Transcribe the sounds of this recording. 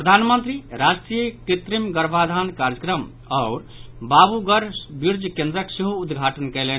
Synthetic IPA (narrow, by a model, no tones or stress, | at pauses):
pɾəd̪ʱanmənt̪ɾiɾasʈɾijəkit̪ɾimɡəɾbʱad̪ʱankaɾjəkɾəm | ɔʊɾ | babuɡəɾbiɾd͡ʒkẽnd̪ɾəksiɦuːd̪ɡʱaʈənkɛlen